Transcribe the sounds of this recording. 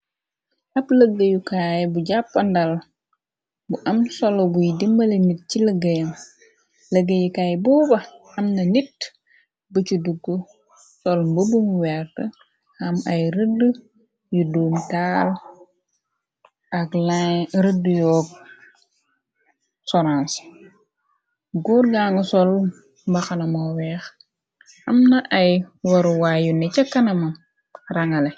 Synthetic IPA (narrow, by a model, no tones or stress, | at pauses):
ʔɐpləɡːəjukaːjbuɟapːɐndɐl | buʔɐmsɔloɡujdimbɐlenit̚ciləɡəjɐm | ləɡːəjukaːjbɔːbɐ | ɐmnɐnit̚ | bəcuduɡːu | sɔlmbəbumwɛrtə | hɐmɐjɾədə | juduːmtaːl | ɐklaɾədːjɔːk̚ | sɔɾãns | ɡuɾɡaːŋɐsɔl | mbɐxɐnɐmowɛːx | ɐmnɐʔɐjwɐɾuwaːjunɛt͡ʃɐkːɐnɐmɐ | rɐŋɐle